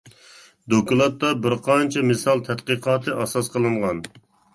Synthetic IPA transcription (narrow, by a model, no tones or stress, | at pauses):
d̪okulˠɑt̪ːɑbɪɾqʰɑnt͡ʃʰɛmɨsɑlˠt̪ʰɛt̪̚qəqʰɑːt̪ʰɨʔɑsɑsqəlˠɨɴʁɑn